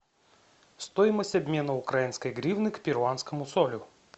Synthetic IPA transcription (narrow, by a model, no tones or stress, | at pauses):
st̪ojɪməsʲtʲɐbʲmʲe̞nəʊkɾajinskəjɡɾʲivnɨkpʲɪɾʊanskəmʊsolʲʊ